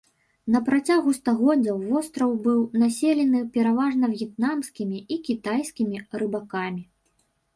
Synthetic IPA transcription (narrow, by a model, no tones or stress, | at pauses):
nɐpɾat͡sʲaɣust̪aɣɔd͡zʲɐwvɔst̪ɾɐwbɨwnasʲelʲɛnɨpʲɛɾavaʐnɐvjɛt̪̚namsʲkʲimʲiikʲit̪ajsʲkʲimʲiɾɨbakamʲi